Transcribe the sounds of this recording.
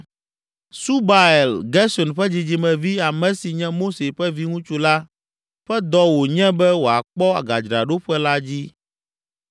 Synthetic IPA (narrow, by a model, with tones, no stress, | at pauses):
su˦ba˨e˨lɡɛ˦sɔ˨nɸɛ˦d͡ʑi˨d͡ʑi˨mɛ̃˨vi˦a˨mɛ̃˨si˨ɲɛ̃˦mo˦se˨ɸɛ˦vi˦ŋũ˦t͡ʃu˦la˦ | ɸɛ˦d̪ɔ˦wo˨ɲɛ̃˦bɛ˦wo˨a˨k͡pɔ˦a̰˨ɡa˨d͡ʒɾa˨ɖo˦ɸɛ˦la˦d͡ʑi˦